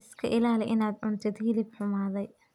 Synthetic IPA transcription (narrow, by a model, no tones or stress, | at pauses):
ɪskʰɐʔɪlaːlɛʔɪnaːd̪ʕʊnt̪ʰɛd̪hilibħʊmaːðɛj